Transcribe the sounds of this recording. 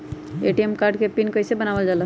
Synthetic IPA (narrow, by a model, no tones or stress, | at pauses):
eʈiemkaɾɖkepinkəjsebənabəld͡ʒalə